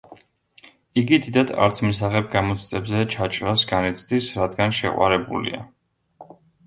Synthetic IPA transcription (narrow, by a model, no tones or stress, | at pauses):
iɡid̪id̪ad̪a̰ɾt̪sʰmisaχɛb̚ɡamɔt̪sʰt̪ʼɛbzɛt͡ʃʰat͡ʃʼɾasɡanit̪sʰʼd̪isɾad̪ɡanʃɛ̰qʼwa̰ɾɛbṵlḭa̰